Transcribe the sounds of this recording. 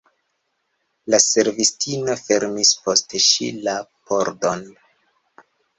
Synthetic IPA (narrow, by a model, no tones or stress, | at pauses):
lase̞ɾvistino̞fe̞ɾmispo̞steʃḭlapo̞ɾdo̞n